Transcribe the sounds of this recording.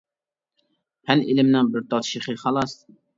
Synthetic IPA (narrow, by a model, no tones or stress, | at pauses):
hænilɪmnɪŋbɪɾt̪ʰɑt̪ʃiχɨχɑlˠɑs